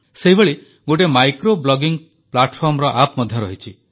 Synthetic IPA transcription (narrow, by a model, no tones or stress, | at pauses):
seɦibeɭi | ɡoʈ̬emajkɾoblɔɡiŋ | plaʈpʰɔɾmɔɾɔʔapmɔd̪ʱjɔɾɔɦit͡ʃʰi